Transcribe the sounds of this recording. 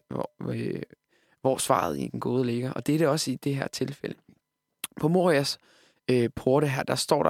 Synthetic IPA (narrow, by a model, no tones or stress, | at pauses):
ʋɒsʋɑ̰̈ð̞ˠḭd̥enɡ̥o̝ːðˠəle̝ɡ̥ɐʔɒ̽d̥eæɐɾ̥eɒ̽səid̥e̝ɦæɐ̰t͡sʰe̝lfelə | pʰɒ̽mo̝ʁiæs | pʰo̝ɐɾ̥əɦæɐ̰d̥ɑ̈sd̥ɒ̰ːɾɑ